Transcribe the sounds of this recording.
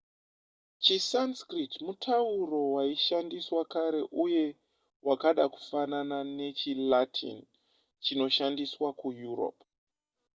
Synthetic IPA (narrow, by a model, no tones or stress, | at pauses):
t͡ʃisanskritmutʰauro̞waiʃandiswakaɾe̞ʔuje̞ | wakaɗaku̥fananane̞t͡ʃilatʰḭn | t͡ʃino̞ʃandiswakujuro̰p